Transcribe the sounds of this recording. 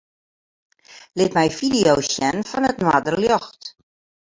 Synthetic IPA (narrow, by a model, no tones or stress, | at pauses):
lɪtmɛjfidijowsjɛnfɔnətnwadərljɔxt